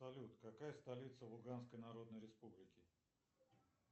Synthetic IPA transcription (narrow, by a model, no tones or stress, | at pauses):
ɐlʲut̪kɐkajəst̪ɐlʲit̪səlˠʊɡanskəjnɐɾo̞d̪nəjɾʲɪspublʲɪkʲɪ